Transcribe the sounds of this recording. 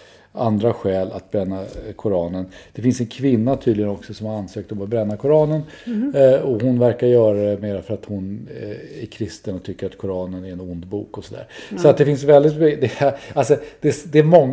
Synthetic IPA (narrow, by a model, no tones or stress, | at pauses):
a̰nd̪ɾaɧɛːla̰t̪̚bɾɛnːakʰʊɾɑːnənd̪̥ɛfɪnsɛnkʰvɪnːat̪ʰyːd̪lɪɡənɔksɔsɔmhaɾansøːk̚t̪ɔmat̪̚bɾɛnːakʰʊɾɑːnən | ɔhʊnvæɾkaɾjœːɾad̪ɛmeːɾafœɾat̪hʊnæɾkʰɾɪst̪ənɔt̪ʰʏkːəɾat̪kʰʊɾɑːnənæɾɛnʊnd̪buːkɔsɔd̪æ̰ːɾsɔat̪̚d̪ɛfɪnsvɛld̪ɪt̪bd̪ɛalsɔd̪̥ɛsd̪ɛæmɔŋː